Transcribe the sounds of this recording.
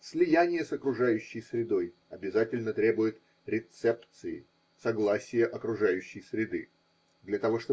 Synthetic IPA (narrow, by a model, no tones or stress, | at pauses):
sʲlʲɪjænʲɪjəsɐkɾʊʐajʉɕːɪjsɾʲɪd̪o̞j | ɐbʲɪzatʲɪlʲnət̪ɾʲe̞bʊjɪt̪ | ɾʲɪt̪sɛpt̪sɨɪ̰ | sɐɡlˠasʲɪjəʔɐkɾʊʐajʉɕːɪjsɾʲɪd̪ɨ | d̪lʲɐt̪ɐvo̞ʂt̪o